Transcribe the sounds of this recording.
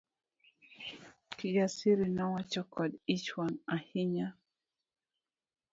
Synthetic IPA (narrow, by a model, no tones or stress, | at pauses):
kid͡ʒasiɾinawat͡ʃɔkɔdit͡ʃwanahiɲa